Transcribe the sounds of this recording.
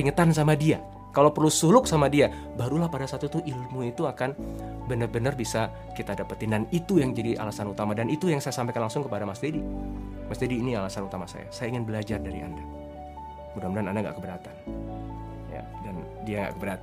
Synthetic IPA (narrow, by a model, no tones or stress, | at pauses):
iŋət̪ansamadia | kalawpərlusulʊk̚samadia | baɾulahpadasat̪ut̪uʔilmuit̪uakanbənərbənərbisa | kit̪aːdapərt̪inanit̪ujaŋd͡ʒadiʔa̰lasanut̪amadanit̪ujaŋsajasampajkanlaŋsʊŋkəpadamast̪edi | mast̪ediːnialasanut̪amasa̰ja̰sajaiŋɪnbəlad͡ʒardaɾḭa̰nda | mudamudanandaŋɡa̰kəbəɾat̪an | ja̰ | dan | diaŋɡa̰kəbəɾat̪